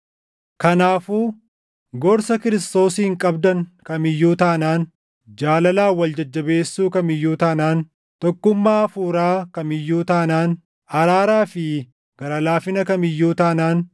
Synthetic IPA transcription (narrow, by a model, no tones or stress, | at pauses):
kɐnaːfuː | ɡɔɾsɐkɪɾɪst̪o̞ːsiːɪŋkʼɐbd̪ɐŋkɐmɪjːuːt̪aːnaːn | d͡ʒaːlɐlaːwɐld͡ʒɐd͡ʒːɐbeːsːuːkɐmɪjːuːt̪aːnaːn | t̪ɔkːʊmːaːfuːɾaːkɐmɪjːuːt̪aːnaːn | ɐɾaːɾaːfɪ | ɡ̥ɐɾɐlaːfɪnɐkɐmɪjːuːt̪aːnaːn